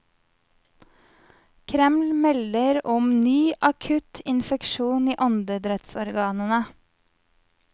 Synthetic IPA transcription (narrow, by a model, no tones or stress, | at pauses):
kʰɾɛmlmɛləɾɔmnyːʔɑkʰʉt̪ʰɪnfɛkʃuːniːʔɔnd̪əd̪ɾɛt̪sɔɾɡɑːnənə